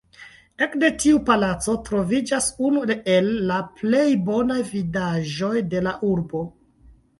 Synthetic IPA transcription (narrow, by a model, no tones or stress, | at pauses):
e̞kde̞tiupalat͡so̞tɾo̞vid͡ʒasunueelːaple̞jbo̞najvidaʒo̞jde̞laʔuɾbo̞